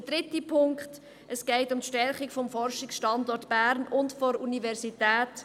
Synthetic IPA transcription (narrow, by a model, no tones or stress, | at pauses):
əd̥ɾɪtipʰʊŋkχt | ʔəsɡ̥ɛɪtʊmtʃtɛɾχikfɔmfɔɾʃɪksʃtɑndɔɾtb̥æːɾnʊntfɔɾunivɛɾsitæːt